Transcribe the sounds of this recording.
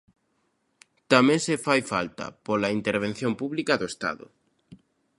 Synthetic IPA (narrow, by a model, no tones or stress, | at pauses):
t̪amẽŋsefajfa̰lt̪a̰polaint̪eɾβ̞en̟θjõmpuβlikaðoest̪a̰ðʊ̰